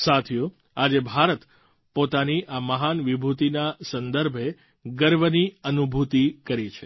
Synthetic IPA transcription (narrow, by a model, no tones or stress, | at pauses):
sat̪ʰjũ | ad͡ʒebʱaɾət̪ | pot̪aniʔaməɦanʋibʱut̪inasənd̪əɾbʱe | ɡəɾʋəniənubʱut̪ikəɾit͡ʃʰe